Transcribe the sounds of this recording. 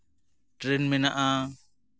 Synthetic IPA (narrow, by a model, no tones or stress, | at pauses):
ʈɾɛnmɛnaʔa